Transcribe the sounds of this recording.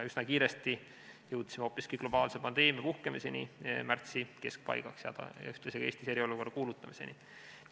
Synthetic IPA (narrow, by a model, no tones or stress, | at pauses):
yznɑkiːɾest̪i | jɤwt̪simeo̞ːpːˑiskiɡ̥lo̞b̥ɑːlse̞pɑnd̪̥e̞ːmjɑpuhke̞mise̞nḭmært̪sike̞sk̚pɑ̰jɡ̥ɑksjɑ̰d̪̥ɑ̰yht̪leɑseɡ̥ɑe̞ːst̪ise̞ɾio̞luko̞rːɑkuːlut̪ːˑɑmise̞̰ni